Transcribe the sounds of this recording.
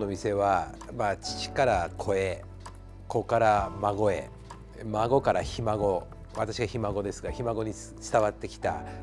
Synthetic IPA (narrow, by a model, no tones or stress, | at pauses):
nomʲise̞βa | mat͡ɕi̥t͡ɕi̥kaɾakʰo̞e | ko̞kaɾamaɡo̞e̞̰ | maɡo̞kaɾaçimaɡo̞ | βat̪aɕiɡaçimaɡo̞d̪e̞sɨɡaçimaɡo̞ɲ̟i | t͡sɨ̥t̪aβat̪ːe̞kʲi̥t̪a̰